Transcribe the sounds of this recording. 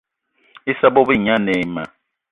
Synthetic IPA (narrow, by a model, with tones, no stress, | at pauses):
i˦sa˦bo˦bi˦˨ɲa˦nɛ˨ma̰˨